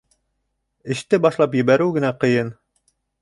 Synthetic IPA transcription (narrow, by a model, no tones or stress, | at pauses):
ɘ̆ʃt̪ɘbɑʃlˠɑpjɘ̆βæɾɘwɡɘ̆næqɤ̆jɤn